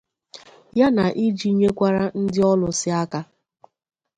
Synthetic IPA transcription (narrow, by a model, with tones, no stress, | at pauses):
ja˦na˨ʔi˦d͡ʒi˦ɲe˦kʷa˦ɾa˦n̩˦dɪ˦ɔ˦lʊ˨sɪ˦a˦ka˦